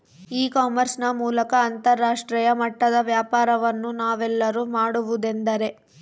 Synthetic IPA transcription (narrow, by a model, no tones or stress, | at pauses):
iːkaːmɐɾsnɐmuːlɐkɐːnt̪ɐɾːaːʂʈɾiːjɐmɐʈːɐd̪ɐʋjaːpaːɾɐʋɐnːunaːʋɛlːɐɾumaːɽuʋud̪e̞nd̪ɐɾe̞